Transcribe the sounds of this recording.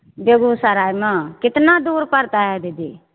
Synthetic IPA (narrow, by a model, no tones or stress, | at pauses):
bəɡuːsaɾaːimãkɪt̪naːd̪uːɾpəɾt̪aɦɛd̪eːd̪eː